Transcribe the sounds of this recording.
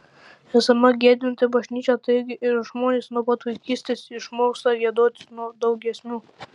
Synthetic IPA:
æːsɐmɐɡʲeːd̪ʲɪnt̪ʲɪbɐʒʲnʲiːt͡ʃʲɛt̪ɐɪɡʲɪɪɾʒmoːnʲeːsnuɔpɐt̪ʋɐɪkʲiːsʲt̪ʲeːsɪʃmoːkst̪ɐɾʲiɛd̪oːt̪ʲɪnuɔd̪ɐʊɡʲɛsʲmʲuː

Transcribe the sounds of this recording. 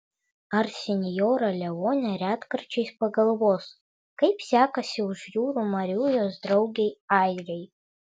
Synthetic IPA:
arsʲenʲjoɾalʲɛwonʲaɾʲatkɨrt͡ʃʰejspaɡɐlˠwos | kajpʰsʲakɐsʲɪuʐjuːɾumaɾʲujozdrowɡʲejajrʲej

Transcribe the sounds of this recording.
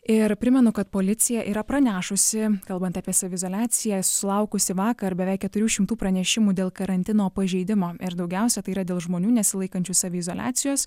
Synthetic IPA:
ɪɾpʲɾʲɪmʲɛnʊkɐt̪poːlʲɪt̪sʲɪjɛʔiːɾɐpɾɐnʲæːʃʊsʲɪkɐlˠbɐnt̪ɑːpʲiɛsɑːʋʲɪzoːlʲæːt̪sʲɪjɛsʊ̥sʲɪlˠɐʊkʊsʲɪʋɑːkɐɾbʲɛʋʲɛɪkʲɛt̪ʊɾʲuːʃʲɪmt̪uːpɾɐnʲɛʃʲɪmuːd̪ʲeːlˠkɐɾɐnʲt̪ʲɪnoːpɐʒʲɛɪd̪ʲɪmoːɪɾd̪ɐʊɡʲɛˑʊsʲɛt̪ɐɪiːɾɐd̪ʲeːlˠʒmoːnʲuːnʲɛsʲɪlˠɐɪkɐnʲt͡ʃʲuːsɑːʋʲeɪzoːlʲa̰ːt̪sʲɪjoːs

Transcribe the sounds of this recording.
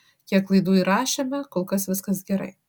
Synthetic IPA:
kʲiɛklˠɐɪd̪uːiɾɑːʃʲemʲɛkoːlˠkɐsʋʲɪskɐsɡʲɛɾɐ̰ɪ

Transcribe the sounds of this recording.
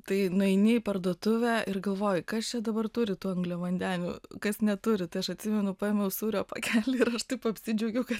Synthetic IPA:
t̪ɐɪnʊɛɪnʲepɐrd̪oːt̪ʊʋʲæːɪrɡɐlˠʋoːjɪkɐst͡ʃʲɛd̪ɐbɐrt̪ʊɾʲɪt̪uːɐŋɡlʲɛʋɐnʲd̪ʲæːnʲṵːkɐsnʲɛt̪ʊɾʲɪt̪ɐɪɐʃɐt̪ʲsʲɪmʲɛnʊpɑːeːmʲɛʊsuːɾʲoːpɐ̰kʲʰæːlʲɪɪɾɐʃt̪ɐɪpɐpʲsʲɪd͡ʒʲɛʊɡʲɛʊkɐt̪

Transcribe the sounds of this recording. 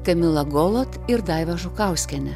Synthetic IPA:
kɐmʲɪlˠɐɡoːlˠoːt̪ɪɾd̪ɑˑɪʋɐʒʊkɑˑʊsʲkʲɛnʲɛ

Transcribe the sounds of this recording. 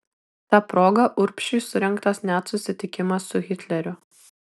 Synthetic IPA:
t̪ɑːpɾoːɡɐʔʊɾʲpʲʃʲʊsʊɾʲɛŋˑkt̪ɐsnʲæːt̪sʊsʲɪt̪ʲɪkʲɪmɐsːʊɣʲɪt̪ʲlʲɛɾʲʊ

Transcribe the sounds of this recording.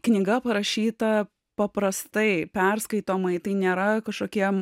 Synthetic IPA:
knʲɪɡɐpɐɾɐʃʲiːt̪ɐ | pɐpɾɐst̪ɐɪpʲɛɾskɐɪt̪oːmɐɪt̪ɐɪnʲeːɾɐkɐʃkoːkʲiɛ

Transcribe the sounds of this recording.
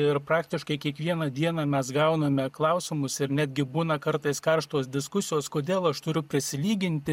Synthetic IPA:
ɪɾpɾɑːkt̪ʲɪʃkɐɪkʲiɛkʋʲiɛnɐd̪ʲiɛnɑmʲɛsɡɐʊnɐmʲɛklˠɐʊsʲɪmʊsɪɾnʲæd̪ʲɡʲɪbuːnɐkɐɾt̪ɐɪskɐɾʃt̪oːsd̪ʲɪskʊsʲɪjoːskoːd̪ʲeːlˠɐʃt̪ʊɾʲʊpʲɾʲɪsʲɪlʲiːɡʲɪnʲt̪ʲɪ

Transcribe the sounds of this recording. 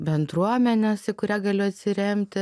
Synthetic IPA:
bʲɛnd̪ɾuɔmʲɛnʲɛsɪkʊɾʲæːɡɐlʲʊɐt̪ʲsʲɪɾʲɛmʲt̪ʲɪ

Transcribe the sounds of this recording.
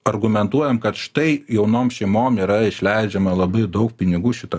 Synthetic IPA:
ɐrɡʊmʲɛnt̪uɔjɛmkɐt̪ʃt̪ɐɪjɛʊnoːmʃʲɛɪmoːmiːɾɐɪʃʲlʲɛɪd͡ʒʲɛmɐlˠɐbɐɪd̪ɐʊk̚pʲɪnʲɪɡuːʃʲɪt̪ɐ

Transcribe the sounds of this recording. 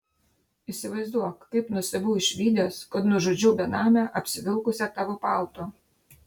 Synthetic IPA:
ɪsʲɪʋɐɪzd̪uɔkkɐɪpnʊsʲɐbʲuːɪʃʲʋʲiːd̪ʲɛoːskɐt̪nʊʒod͡ʒʲʊbʲɛnɑːmʲɛʔɐpʲsʲɪʋʲɪlˠkʊsʲɛt̪ɑːʋopɑˑlˠt̪o

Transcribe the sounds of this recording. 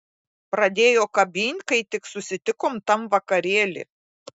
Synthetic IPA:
pɾɐd̪ʲeːjoːkɐbʲiːnʲkɐɪt̪ʲɪksʊsʲɪt̪ʲɪkoːmt̪ɐmʋɐkɐɾʲeːlʲɪ̰ː

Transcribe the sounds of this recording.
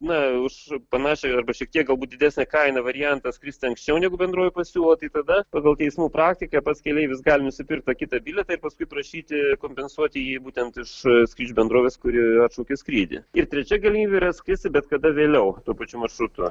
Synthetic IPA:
nɐʊʃpɐnɑːʃʲɛɐrbɐʃʲiɛk̚t̪ʲiɛkɡɐlˠbuːt̚d̪ʲɪd̪ʲæːsʲnʲɛkɐɪnɐʋɐɾʲɪjɛnt̪ɐskɾʲɪsʲt̪ʲɪɐŋksʲt͡ʃʲɛʊnʲɛɪɡʊbʲɛnd̪ɾoːʋʲɪpɐsʲuːlˠot̪ɐɪt̪ɐd̪ɐpɑːɡɐlˠt̪ʲɛɪsmuːpɾɑːkt̪ʲɪkɐpɐt̪skʲɛlʲeɪʋʲɪsɡɑːlʲɪnʊsʲɪpʲɪrk̚t̪ɐkʲɪt̪ɐbʲɪlʲɛt̪ɐɪɾpɐskʊɪpɾɐʃʲiːt̪ʲɪkoːmʲpʲɛnsuɔt̪ʲɪjiːbuːt̪ʲɛnt̪ɪʃskɾʲiːd͡ʒʲubʲɛnd̪ɾoːʋʲeːskʊɾʲɪɐt̪ʃoʊkʲɪskɾʲiːd̪ʲɪ̰ɪrt̪ʲɾʲɛt͡ʃʲɛɡɐlʲɪmʲiːbʲeːiɾɐskɾʲɪsʲt̪ʲɪbʲɛt̪kɐd̪ɐʋʲeːlʲɛʊt̪uɔpɐt͡ʃʲumɐrʃɾʊt̪ʊ̰

